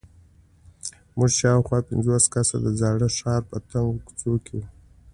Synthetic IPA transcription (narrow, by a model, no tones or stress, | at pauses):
muʒʃɑwxwɑpɪnzoskasa̰d̪əzɑɽəʂɑɾpət̪aŋɡkt͡sokʰeu